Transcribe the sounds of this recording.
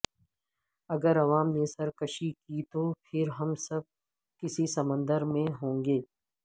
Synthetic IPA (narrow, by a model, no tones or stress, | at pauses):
ɐɡəɾɐʋaːmnesɐɾkɐʃikit̪opʰɪɾɦɐmsɐb̚ | kɪsisɐmə̃nd̪əɾmẽɦõːŋɡeː